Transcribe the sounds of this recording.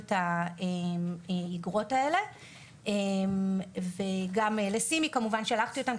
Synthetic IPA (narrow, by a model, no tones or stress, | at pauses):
taemeiɡʁo̞tae̞le̞ | emveɡamelesimikamuvanʃealaχtio̞tam